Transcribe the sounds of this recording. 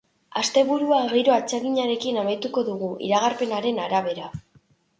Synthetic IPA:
ast̪e̞βuɾuaɣejɾo̞at͡seɣiɲaɾe̞kinamajt̪uko̞ðuɣ̞uʔḭɾaɣ̞aɾpe̞naɾe̞naɾaβ̞e̞ɾa

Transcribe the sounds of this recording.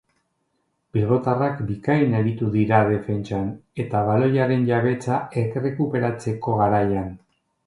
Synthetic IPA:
bilɣo̞t̪arakbikajneɾit̪uðiɾað̞e̞fe̞nt͡ʃane̞t̪aβalo̞jaɾe̞nʎaβe̞t͡saekre̞kupe̞ɾat͡se̞ko̞ɣaɾajan

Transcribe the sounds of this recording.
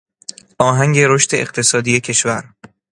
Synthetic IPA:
ʔɒːɦæŋɟe̞ɾoʃt̪e̞eɢt̪ʰe̞sɒːd̪iːje̞cʰe̞ʃvæɾ

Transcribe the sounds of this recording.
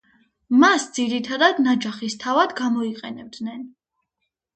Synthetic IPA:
masd̪z̥iɾit̪ʰad̪ad̪nad͡ʒaχist̪ʰavad̪ɡamɔiqʼɛnɛb̚d̪nɛn

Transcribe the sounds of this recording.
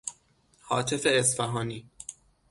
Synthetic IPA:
hɒːt̪ʰefeːsfæɦɒːniː

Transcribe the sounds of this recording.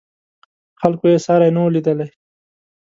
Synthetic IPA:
xalkojesɑɾajnawlid̪əlaj

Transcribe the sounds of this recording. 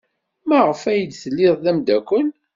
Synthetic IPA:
mæʁəfæjəd̪θəlːɪðˤðæmd̪ækʷːən

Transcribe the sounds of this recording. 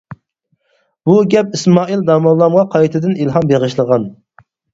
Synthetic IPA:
b̥uɡʲɛp̚ismɑːild̪ɑmɑlːˠɑmʁɑqʰɑjit̪ʰɨd̪ɨnilˠɦɑmbeʁɨʃlˠəʁɑn

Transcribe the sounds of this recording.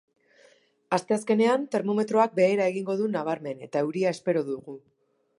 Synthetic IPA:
ast̪e̞aske̞ne̞ant̪e̞ɾmo̞me̞t̪ɾo̞ak̚be̞ːɾae̞ɣiŋɡo̞ðunaβ̞aɾme̞ne̞̰t̪ae̞wɾiae̞spe̞ɾo̞ðuɣu

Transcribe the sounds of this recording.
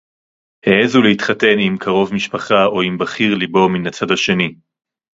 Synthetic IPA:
heezulehitχate̞nimkʰaʁo̞vmiʃpaχao̞imbaχiʁlibo̞minat͡sadhaʃe̞ni

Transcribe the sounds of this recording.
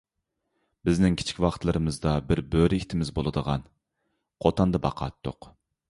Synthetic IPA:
bɪznɪŋkʲʰi̥t͡ʃʰi̥kʲwɑχt̪lˠɨɾɨmɨzd̪ɑbɪɾbøɾit̪ʰɪmɪzbolˠɨd̪əʁɑn | qʰot̪ʰɑnd̪ɑbɑqʰɑ̰t̪ːo̰q

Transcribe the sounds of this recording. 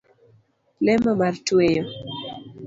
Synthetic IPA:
lɛmɔmartwejɔ

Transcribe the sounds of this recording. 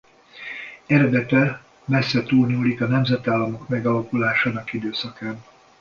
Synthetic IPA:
ɛɾɛd̪ɛt̪ɛ | mɛsːɛt̪uːlɲuːlikɒnɛmzɛt̪aːlːɒmo̞kmɛɡɒlɒkulaːʃaːnɒkid̪øːsɒkaːn

